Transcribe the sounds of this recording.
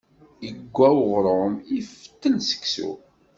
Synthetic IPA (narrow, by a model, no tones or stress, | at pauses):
əɡʷːæwʁɾˤəmift̪ːənsə̥kːsṵ